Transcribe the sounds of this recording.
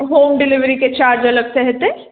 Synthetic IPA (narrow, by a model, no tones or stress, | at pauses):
ɦoːmɖɪlɪʋɾiket͡ʃaːɾd͡ʒɐləɡseɦɛt̪ẽː